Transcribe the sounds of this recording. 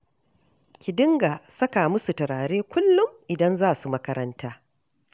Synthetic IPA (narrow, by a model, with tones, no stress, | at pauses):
kʲɪ˨dɪ˦ŋɡaː˨sɐ˦ka˨mʊ˦su˨tɐ˨ɾaː˨ɽeː˦kʷʊ˦lːʊ˦mʔɪ˨dɐ˦nzaː˦˨su˨mɐ˦kɐ˦ɾɐ˦ntaː˦